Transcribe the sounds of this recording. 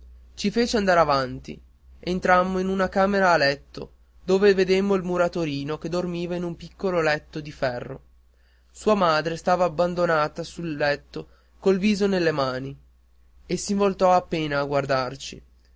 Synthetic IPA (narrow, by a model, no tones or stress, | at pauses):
t͡ʃifeːt͡ʃeand̪aɾavant̪ḭ | ent̪ɾamːoinunakaːmeɾaːlɛt̪ːo̰ | d̪oːveved̪emːoilmuɾat̪oɾiːnoked̪ormiːvainumpikːololɛt̪ːod̪ifɛrːo̰ | suːamaːd̪ɾest̪aːvaːbːand̪onaːt̪asulːɛt̪ːo | kolviːzonelːemaːni | esːiɱvolt̪ɔapːeːnaːɡward̪art͡ʃḭ